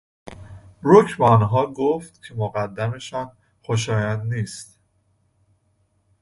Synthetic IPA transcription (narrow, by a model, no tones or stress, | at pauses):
b̥ɾucʰbeɒnɦɒːɡoft̪cʰe̞moɣæd̪ːæme̞ʃɒːn | xoʃ̬ɒːjænd̪niːst̪